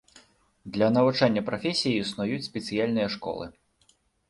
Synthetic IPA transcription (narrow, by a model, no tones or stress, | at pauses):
d̪lʲɐnɐvut͡ʂanʲːɐpɾɐfʲesʲijiusnɔjut͡sʲsʲpʲɛt̪sɨjalʲnɨjɐʂkɔ̰lˠɨ̰